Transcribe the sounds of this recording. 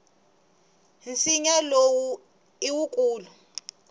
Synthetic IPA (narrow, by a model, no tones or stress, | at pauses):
nt͡siɲalowu | iwukʼuːlu